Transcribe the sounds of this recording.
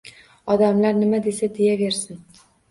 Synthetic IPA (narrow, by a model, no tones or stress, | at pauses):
ɒd̪amlaɾnɪmad̪e̞sad̪ejave̞ɾsɪn